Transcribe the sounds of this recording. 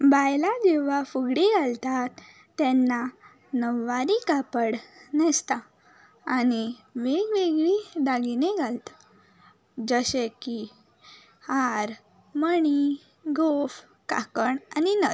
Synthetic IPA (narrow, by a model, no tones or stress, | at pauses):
bajlad͡ʑeʋafuɡɽiɡalt̪at̪ː | ɛnːa | nəʋːaɾikapəɽnɛst̪aː | niʋeɡʋeɡɭid̪aɡineɡʱalt̪a | d͡zəɕeki | haɾ | məɳi | ɡof | ka̰kəɳaninət̪